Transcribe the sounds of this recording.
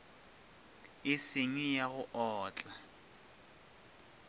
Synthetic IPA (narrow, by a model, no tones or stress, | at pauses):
ɪsɪɲwijaɣʊʔɔːt͡ɬʼa